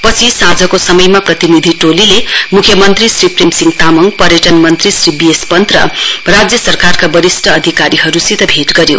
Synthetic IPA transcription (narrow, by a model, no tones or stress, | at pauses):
pʌt͡sʰisad͡zʱʌkosʌmʌjmaprʌt̪inid̪ʱiʈolilemukʰjʌmʌnt̪risripremsiŋt̪amʌŋpʌɾjʌʈʌnmʌnt̪risribiespʌnt̪rʌ̰rad͡zjʌsʌrkarkabʌɾisʈʰʌːd̪ʱikaɾiɦʌɾusit̪ʌbʱeʈɡʌɾjo̰